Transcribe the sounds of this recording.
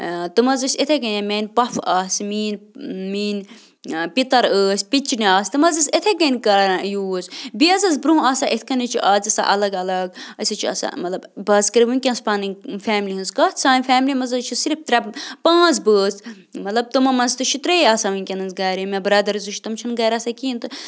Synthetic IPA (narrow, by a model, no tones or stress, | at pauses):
t̪ɨmɐzɨsʲet̪ʰeɡɐnjemeːnʲpɐfaːsmiːnmiːn | pit̪ɐɾəːsʲpit͡ʃiniaːsʲt̪ɨmɐzɐset̪ʰeɡɐnʲkɐːɾãjuːzbiɐzɐzbɾuɦaːsaːʔet̪ʰkɐnit͡ʃʰuʔaːzɐsa̰ʔɐlɐɡɐlɐɡɐsɨt͡ʃʰiɐ̰sa̰mɐt̪lɐbbɐːzkɐɾiʋɨnʲkʲɐ̃nspãːninfɛːmliɦɨnzkɐt̪ʰsaːnʲfʲɛːmlimɐzɐt͡ʃʰisiɾft̪ɾʲɐpãːzbəːs | mɐt̪lɐb̚t̪ɨmɐmɐnzt̪ɨʃʰit̪ɾeːjaːsaːʋɨnʲkʲɐnɐnzɡaːɾimɐ̃bəɾaːd̪ɐɾzuʃʰt̪ɐmt͡ʃʰɐnɡaːɾasakʲiːnt̪ɨ